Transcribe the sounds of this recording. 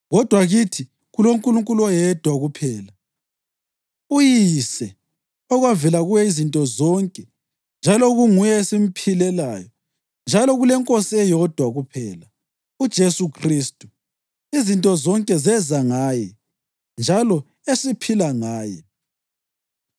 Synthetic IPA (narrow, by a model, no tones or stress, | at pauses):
ɣɔd̥ʱwaɣitʰi | ɣuloŋkʼuluŋkʼulɔjɛd̥ʱwaɣupʰɛːla | ujisɛ | ɔɣwavɛlaɣujɛizintʼɔzɔŋkʼɛ | nd͡ʒʱalɔɣuŋujɛesim̩pʰilɛlaːjɔ | nd͡ʒʱalɔɣulɛŋkʼosiɛjɔd̥ʱwaɣupʰɛːla | ud̥ʒ̥ʱesukʰriːstʼu | izintʼɔzɔŋkʼɛzɛzaŋaːjɛ | nd͡ʒʱalɔ | esipʰilaŋaːjɛ̰